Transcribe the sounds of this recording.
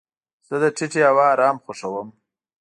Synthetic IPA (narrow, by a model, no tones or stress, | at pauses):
z̥əd̪əʈʰɪʈeawɑːɾɑːmxʊʂawəm